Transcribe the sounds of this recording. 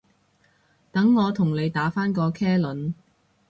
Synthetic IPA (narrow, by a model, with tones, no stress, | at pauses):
t̪ɐ˨˥ŋːɔː˨˧t̪ʰʊ˨˩ŋle˨˧jt̪aː˨˥faː˥nkɔː˧kʰɛː˥lɵ˨˥n